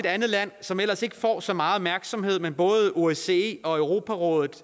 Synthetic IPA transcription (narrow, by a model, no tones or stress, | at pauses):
e̝d̥ænð̩ˠlæn̰sɒ̽mel̰ɐse̝ɡ̥əfɒ̰ːsɒ̽mɑ̈ːð̩ˠɒb̥mæɐɡ̥sɒ̽mhe̝ð̞̰ˠmenb̥ɔ̽ːðˠo̝ese̝eɒ̽œʊʁo̝ːpʰæʁɔ̽ːðˠð̩ˠ